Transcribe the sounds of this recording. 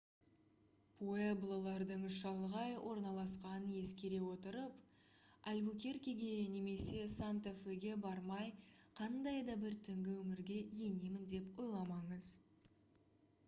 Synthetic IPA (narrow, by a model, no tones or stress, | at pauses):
pʰoe̞blˠolˠɑɾd̪əɴʃɑlˠʁɑjwʔo̞ɾnɑlˠɑsqɑnənje̞skʲe̞ɾe̞wo̞t̪əɾəp | alʲbukʲe̞ɾkʲiɡʲe̞ne̞me̞se̞sant̪efeɡʲe̞bɑɾmɑjqʰɑnd̪ɑjd̪ɑbɪɾt̪ʰʏŋɡʲɪwɵmɪɾɡʲe̞je̞ne̞mɪnd̪e̞pwo̞jlˠɑmɑɴəz